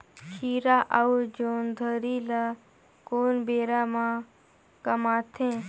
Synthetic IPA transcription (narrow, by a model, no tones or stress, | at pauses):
kʰiːɾaːʔɐud͡ʒoːnd̪ʱəɾiːla | koːnbeːɾaːmã | kɐmaːt̪ʰẽː